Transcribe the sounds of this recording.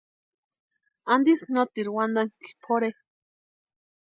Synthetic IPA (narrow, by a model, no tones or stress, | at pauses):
and̪isnot̪iɾwand̪aŋki̥pʰoɾe